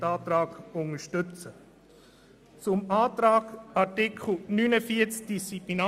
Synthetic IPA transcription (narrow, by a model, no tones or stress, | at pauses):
ɑːt̪ɾɑːɡʊŋəʃtʏt͡sə | t͡sʊmaːt̪ɾaːɡɑtikʰl̩ˠnyːnəfiət͡sk̚d̥ist͡siplinɑ